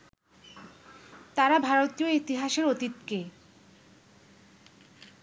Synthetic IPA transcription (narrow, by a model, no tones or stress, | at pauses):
t̪aɾabʱaɾot̪ijoit̪iɦaʃeɾot̪it̪ke